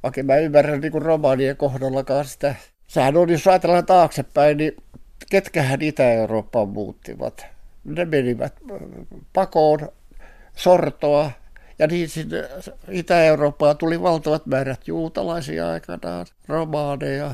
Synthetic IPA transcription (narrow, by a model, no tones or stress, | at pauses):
ʋɑkemmæymːærːænniːŋkurromɑːniekohdɑlːɑkɑːsi̥t̪æ | sehænonjosɑːt̪elːɑnt̪ɑːksepːæinniket̪kæhænit̪æeuroːpːɑːmmṵːt̪ːḭʋɑ̰t̪nemeniʋæ̰t̪pɑkoːn | sort̪oɑjɑniːnsinːḛit̪æeuroːpːɑːt̪uliʋɑlt̪ɑʋɑt̪mæːræt̪juːt̪ɑ̰lɑisḭːɑ̰ikɑ̰nɑ̰ːn | romɑːnejɑ